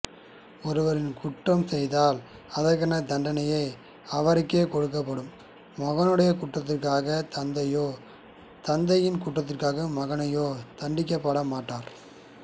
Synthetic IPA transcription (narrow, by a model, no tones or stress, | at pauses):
ɔɾɯʋɐɾɪnkʊʈːrɐmsɛjðaːlɐðɐɾkɐnɐd̪ɐɳɖɐnɐjɐɪ | ɐʋɐɾɪkːeːkɔɽɯk̬ːɐp̬ːɐɽɯmː | ɐɣɐnɯɽɐjɐkʊʈrɐt̪̬ːɪrkaːɣɐt̪ɐnd̪ɐjoː | t̪ɐnd̪ɐjɪnkʊʈrɐt̪̬ːɪrkaːɣɐmɐɣɐnɐjoːt̪ɐɳɖɪkʲːɐpːɐɽɐmaːʈːaːɾ